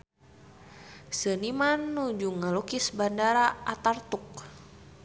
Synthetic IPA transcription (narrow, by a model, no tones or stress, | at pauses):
sənimanːud͡ʒuŋalukisbandaɾaat̪art̪uk̚